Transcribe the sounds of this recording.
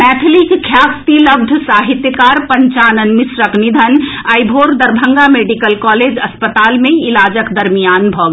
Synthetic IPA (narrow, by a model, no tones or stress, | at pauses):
mɛːt̪ʰɪlikkʰjaːkt̪ilɐb̚d̪ʱsaːɦɪt̪jəkaːɾpɐ̃ɲt͡ʃaːnənmɪsɾəknɪd̪ʱənɐibʱoːɾd̪ɐɾbʱə̃ŋɡameːɖikəlkɔːleːd͡ʒɐspət̪aːlmẽɪlaːd͡ʒəkd̪ɐɾmijaːnbʱɔːɡ